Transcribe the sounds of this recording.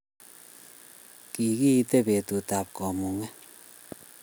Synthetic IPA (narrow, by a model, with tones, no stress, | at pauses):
ki˨kiː˦˧te˦pe˨tu˨taː˨p̚kɔ˨mu˨ŋɛ˦